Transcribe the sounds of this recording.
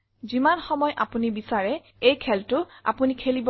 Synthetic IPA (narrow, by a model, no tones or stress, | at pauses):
zimanxɔmɔjʔa̰punibisaɹɛ | ejkʰɛltʊa̰punikʰelibɔ